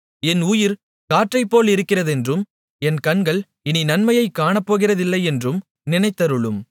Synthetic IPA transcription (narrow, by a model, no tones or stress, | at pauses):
ɛnuːjɪɾ | kaːʈrɐɪpːoːlɪɾɯkːɪrɐðɛndrɯm | ɛnkɐɳɡɐɭ | ɪninɐnmɐjɐɪkːaːɳɐpːoːɣɪrɐðɪlːɐɪɛndrɯm | nɪnɐɪt̪ːɐɾɯɭɯm